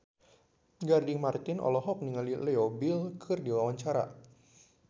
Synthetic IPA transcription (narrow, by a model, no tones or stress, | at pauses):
ɡardiŋmart̪ɪnʔɔ̰lɔɦɔk̚niŋalilɛɔbilkʰɨrdiwawaɲt͡ʃaɾa̰